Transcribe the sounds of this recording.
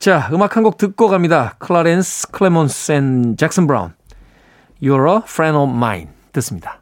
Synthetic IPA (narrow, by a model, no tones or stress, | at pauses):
t͡ɕaɯmakʰanɡok̚tɯk̚k͈ʌɡamɲidakʰɯɭaɾenskʰɯɭemonsent͡ɕak̚s͈ʌnbɾa̰ṵn | joɾʌfɾenʌma̰jḭn | tɯs͈ɯmɲid̥ḁ